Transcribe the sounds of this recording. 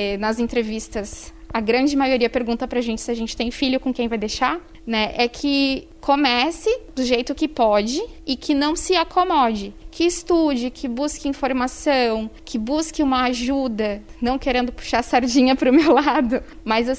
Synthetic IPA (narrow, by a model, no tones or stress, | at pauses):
ɛnɐzẽnt̪ɾevist̪ɐsɐɡɾɐ̃nd͡ʒɪmajoɾiɐpeɾɡũnt̪ɐpɾɐʒẽnt͡ʃɪ̥sɪaʒẽnt͡ʃɪ̥t̪ẽj̃fiʎjʊkõkẽj̃vajd̪ejʃa | nɛʔɛkʰɪ | komɛsɪd̪̥ʊʒejt̪ʊkɪpɔd͡ʒɪɪkʰɪnɐ̃w̃sɪakʰomɔd͡ʒɪkʰɪːst̪ud͡ʒɪkʰɪbuskɪĩfoɾmasɐ̃w̃kʰɪbuskɪũmɐaʒud̪ɐ | nɐ̃w̃keɾẽnd̪ʊpu̥ʃaɾsaɾd͡ʒĩɲɐpɾʊmewlad̪ʊ | mɐza